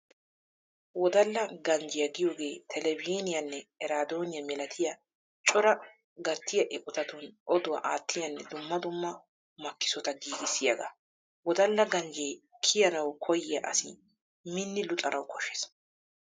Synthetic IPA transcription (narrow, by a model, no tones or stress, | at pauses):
wɔd̪ɐlːɐɡɐnd͡ʒɪjɐɡɪjoːɡe̞ːt̪ʰɛlɛbiːnɪjɐnːɛɛɾaːd̪oːnɪjɐmɛlɐt̪ʰɪjɐ | t͡ʃʼɔɾɐ | ɡɐt̪ːɪjɐʔɛkʼʊt̪ɐt̪ʊnʔɔd̪ʊwɐʔaːt̪ʰːɪjɐnːɛd̪ʊmːɐd̪ʊmːɐ | mɐkːɪ̥sɔt̪ɐɡiːɡɪsːɪjɐɡɐ̰ | wɔd̪ɐlːɐɡɐnd͡ʒeːkʰɪjɐnɐwkʰɔjɪjɐ̰ʔɐ̰sɪ̰ | mɪnːɪlʊt̪ʼɐnʔɐwkɔʃːeːs